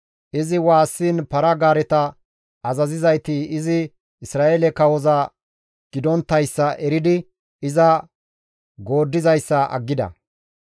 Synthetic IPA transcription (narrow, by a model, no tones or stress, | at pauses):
ʔɪzɪwaːsːiːnpɐɾɐɡaːɾɛt̪ɐ | ɐzɐzɪzɐjt̪iɪzɪ | ɪsɾaːʔeːlɛkɐwɔzɐ | ɡ̥ɪd̪ɔnt̪ːɐjsːɐʔɛɾɪd̪ɪ | ɪzɐ | ɡo̞ːd̪ːɪzɐjsːɐʔɐ̰ɡːɪd̪ɐ̰